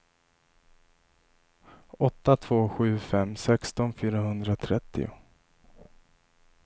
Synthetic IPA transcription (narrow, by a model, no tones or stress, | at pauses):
ɔt̪ːat̪ʰv̥oːɧʉ̟ːfɛmːsɛkst̪ɔnfyːɾaɦɵnd̪ɾat̪ʰɾɛt̪ːɪ̰ʊ̰